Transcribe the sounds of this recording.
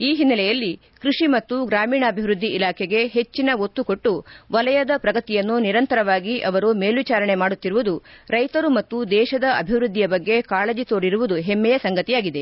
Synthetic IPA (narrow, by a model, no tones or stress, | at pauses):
iːɦinːɐlɛjɐlːi | kɾuʂimɐt̪ːuɡɾaːmiːɳɐːbʱiʋɾud̪ʱːiʔːlaːkʰeɡe̞ɦe̞t͡ʃːinɐot̪ːuko̞ʈːuʋɐlɐjɐd̪ɐpɾɐɡɐt̪ijɐnːuniɾɐnt̪ɐɾɐʋaːɡiʔɐʋɐɾume̞ːlʋit͡ʃaːɾɐɳe̞maːɽut̪ːiɾuʋud̪uɾɐjt̪ɐɾumɐt̪ːud̪ɛːʃɐd̪ɐʔɐbʱiʋɾud̪ʱːijɐbɐɡːe̞kaːled͡ʒit̪o̞ːɽiɾuʋud̪uɦemːɛjɐsɐŋɡɐt̪ijaːɡid̪e̞